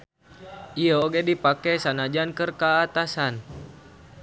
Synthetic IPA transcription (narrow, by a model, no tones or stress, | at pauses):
ʔiəoɡɛdipakɛsanad͡ʒankərkaːt̪asan